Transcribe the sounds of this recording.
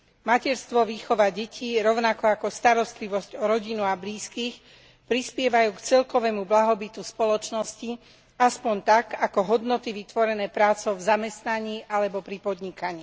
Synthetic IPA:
macɛɾst̪ʋɔʋiːxɔʋaɟɛcʰiːɾɔʊnakɔakɔst̪aɾɔst̪liʋɔzcɔɾɔɟinuabliːskiːx | pɾispɪɛʋajuːkt͡sɛlkɔʋɛːmublaɦɔbit̪uspɔlɔt͡ʃnɔsci | aspɔɲt̪akakɔɦɔd̪nɔt̪iʋit̪ʋɔɾɛnɛːpɾaːt͡sɔʊvzamɛst̪naɲiːʔalɛbɔpɾipɔd̪ɲikaɲiː

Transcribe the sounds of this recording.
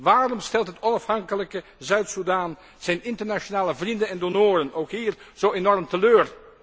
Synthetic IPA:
ʋaːrɔmstɛlˠtɦətɔnɑfhɑŋkələkəzœɥtsudaːn | z̥ɛjnɪntəɹnat͡ʃonaːləvrindənɛndonoːrənowkɦiːrz̥owenɔrmtəløːr

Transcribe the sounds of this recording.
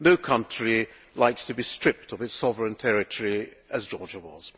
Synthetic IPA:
noʊkʰʌ̃nt͡ʃɹ̥i | laɪkstʰɨbistɹ̥ɪp̚tʰʌvɨtsɒvəɹɨ̃ntʰɛɹɨtʰəɹiɨzd͡ʒɔɹd͡ʒəwʌ̰z̥

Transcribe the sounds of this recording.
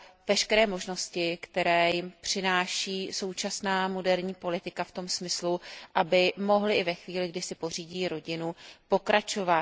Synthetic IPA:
vɛʃkɛɾɛːmo̞ʒno̞scɪkt̪ɛɾɛːjɪmpr̝̥ɪnaːʃiːso̞wt͡ʃasnaːmo̞dɛɾɲiːpo̞lɪt̪ɪkaft̪o̞msmɪsluʔabɪmo̞ɦlɪʔɪvɛxviːlɪɡdɪsɪpo̞r̝iːɟiːɾo̞ɟɪnupo̞kɾat͡ʃo̞va

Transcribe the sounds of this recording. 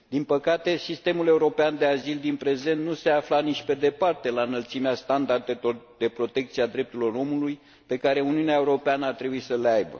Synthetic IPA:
d̪inpəkat̪e̞sist̪e̞mule̞uɾo̞peand̪eazild̪inpɾe̞ze̞nt̪nuse̞aflanit͡ʃʲpe̞d̪e̞part̪e̞lanəlt̪simeast̪and̪ard̪e̞ord̪e̞pɾo̞t̪e̞k̚t̪siad̪ɾe̞p̚t̪uɾilo̞ɾo̞muluj | pe̞kaɾe̞uniuneae̞uɾo̞peanəart̪ɾe̞buisəleajbə̰

